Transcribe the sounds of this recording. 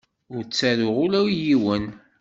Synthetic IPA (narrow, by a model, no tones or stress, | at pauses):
ʊɾt͡sːæɾʊʁʊlæwijiwən